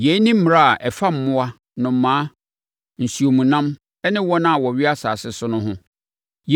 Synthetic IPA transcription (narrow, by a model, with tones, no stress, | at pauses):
jɛ˨˦nĩ˦m̩˦m˨ɾa˦a˨ʔɛ˨fa˦m̩˨mʊ̃˦wa˦ | nʊ̃˨m̩˨˦mã˨˦ | n̩˨si˨o˨mũ˨nã˦m | ɛ˦nɪ̃˦wɔ˦nã˦a˨wɔ˨ɥɪ˦a˦sa̰ː˨sɪ˦sʊ˦nʊ̃˦ɦʊ̃˦ | j